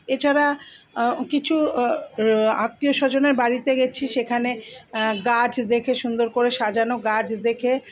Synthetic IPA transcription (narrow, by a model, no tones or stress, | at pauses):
et͡ɕʰaɾa | kit͡ɕʰu | a̰t̪ːioʃɔd͡ʑoneɾbaɾit̪eɡɛt͡ɕʰiʃekʰaneɡad͡ʑd̪ekʰeʃund̪oɾkoɾeʃad͡ʑanoɡad͡ʑʱd̪ekʰe